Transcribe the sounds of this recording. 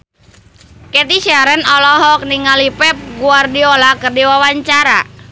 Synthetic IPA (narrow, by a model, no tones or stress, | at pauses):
kɛt̪iʃaɾənɔlɔɦɔk̚niŋalipɛp̚ɡuardiɔlakərdiwawaɲt͡ʃaɾa